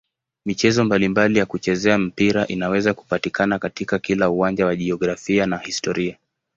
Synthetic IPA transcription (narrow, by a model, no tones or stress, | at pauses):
mit͡ʃɛzɔmbalimbalijakut͡ʃɛzɛam̩piɾaʔinawɛzaku̥patikanakatikakilauwand͡ʒawaʄiɔɡɾafianahistɔɾia